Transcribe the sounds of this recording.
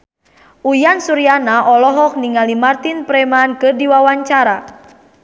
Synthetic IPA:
ʔujansuɾianaʔɔlɔɦɔk̚niŋalimart̪inpɾɛmankɨrdiwawaɲt͡ʃaɾa

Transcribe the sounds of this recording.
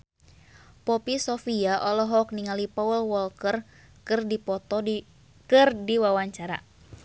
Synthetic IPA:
pɔpisɔfiaʔɔlɔɦɔk̚niŋalipaəlwɔlkər | kɨrdipɔt̪ɔ | kɨrdiwawaɲt͡ʃaɾa̰

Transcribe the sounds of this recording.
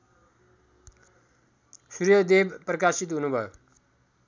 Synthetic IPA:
surjʌd̪ebprʌkasit̪ɦunubʱʌjo

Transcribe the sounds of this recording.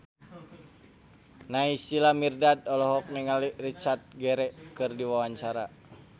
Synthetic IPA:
naisilamirdadɔlɔɦɔk̚niŋalirit͡ʃart̪̚ɡɛɾɛkɨrdiwawaɲt͡ʃaɾa

